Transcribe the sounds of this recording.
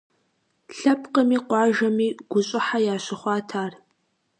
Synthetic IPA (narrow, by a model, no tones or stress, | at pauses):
ɬɐpqəmiːqʷɑːʒɐmiːɡ̥ʷʊɕʼɪħajaːɕɪχʷɑːtʰaːr